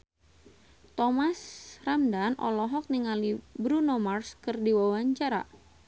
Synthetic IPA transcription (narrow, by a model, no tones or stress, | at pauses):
t̪ɔmasramdanɔ̰lɔɦɔk̚niŋalibɾunomarskɨrdiwawaɲt͡ʃaɾa̰